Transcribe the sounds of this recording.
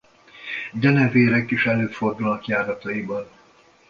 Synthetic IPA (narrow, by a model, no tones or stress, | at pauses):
d̪ɛnɛveːɾɛkiʃɛløːfo̞rd̪ulnɒkjaːɾɒt̪ɒibɒn